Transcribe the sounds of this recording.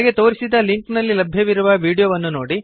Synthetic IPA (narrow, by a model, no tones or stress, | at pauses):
ɡet̪o̞ːɾisid̪ɐliŋknɐlːilɐbʱjɐʋiɾuʋɐʋiːɽijoːʋɐnːunoːɽi